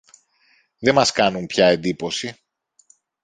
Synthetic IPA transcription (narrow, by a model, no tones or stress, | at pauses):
ðe̞mɐskɐnumpçɐe̞nd̪ipo̞si